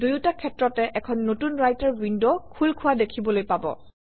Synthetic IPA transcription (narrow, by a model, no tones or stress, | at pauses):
dujutakʰɛtɹɔtɛʔɛkʰɔnːotunɹajtaɹwindokʰulkʰʊwadekʰibɔlojpabɔ̰